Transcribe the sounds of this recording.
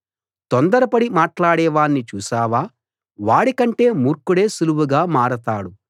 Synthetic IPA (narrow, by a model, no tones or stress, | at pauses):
t̪ɔnd̪ɐɾɐpɐɽimaːʈlaːɽɛːʋaːnːit͡ʃuːsaːʋaː | ʋaːɽikɐɳʈe̞ːmuːɾkuɽe̞ːsuluwuɡaːmaːɽɐt̪aːɽu